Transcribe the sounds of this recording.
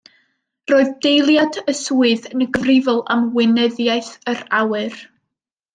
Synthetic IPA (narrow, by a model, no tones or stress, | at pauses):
roːɨðd̥ejlˠjadəsuɨðənəɡəvrɪvɔlˠa̰mwɪnɛðjajθərawɨr